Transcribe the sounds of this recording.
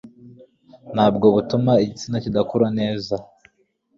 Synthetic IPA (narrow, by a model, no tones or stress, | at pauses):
nhaːb̚ɡo̞βutumaiɟit͡sinacidakuɾane̞ːza